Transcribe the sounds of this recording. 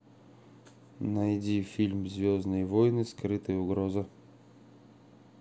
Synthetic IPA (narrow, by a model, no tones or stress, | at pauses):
nɐjdʲifʲilʲmzʲvʲoznɨjvojnɨskɾɨt̪ɨjəʊɡɾozɨ